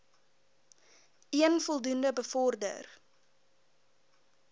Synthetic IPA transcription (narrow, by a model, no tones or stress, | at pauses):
iənfɔlˠdundəbəfɔrdə̰r